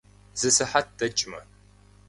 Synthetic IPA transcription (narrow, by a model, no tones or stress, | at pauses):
z̥ɨsɨħat̚d̥ɐt͡ʃʼmɐ̰